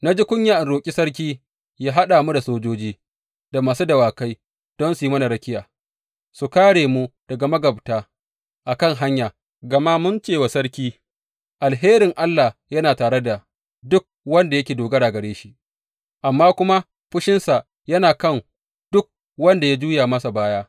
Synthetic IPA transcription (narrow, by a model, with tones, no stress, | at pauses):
na˦d͡ʒi˦kʷʊ˦ɲjaː˨ʔɪ˨nɽoː˨kʲʼi˦sɐ˦ɾk̬ʲiː˦ | jaː˦ɦa˦ɗaː˨mu˦da˨soː˦d͡ʒoː˦d͡ʒiː˦ | d̥a˨maː˨su˦dɐ˨waː˨ka˦j | d̥ɔ˦nsu˨ji˦mɐ˦na˨ɽɐ˦kʲɪ˦jaː˨ | su˨kaː˦ɽeː˨mu˦d̥ɐ˨ɡa˨mɐ˦ɡɐ˨btaː˦ | ʔa˨kɐ˦˨ŋɦa˦ɲjaː˨ | ɡɐ˨ma˦mʊ˦nt͡ʃeː˦˨wa˨sɐ˦ɽkʲiː˦ | ʔa˨lɦeː˦ɾɪ˨ŋʔa˦lːa˨jɐ˦naː˨taː˨ɽe˦da˨ | dʊ˦k̚wɐ˦nda˨jɐ˦kʲeː˨doː˨ɡɐ˦ɽaː˨ɡɐ˨ɽeː˦ʃi˦ʔ | ʔa˨mːaː˦kʷʊ˦ma˦ | ɸʊ˦ʃɪ˦nsa˨ | jɐ˦naː˨kɐ˦˨ŋ | d̥ʊ˦k̚ | wɐ˦nda˨ja˦d͡ʒuː˦jaː˨mɐ˦sa˨baː˦jaː˦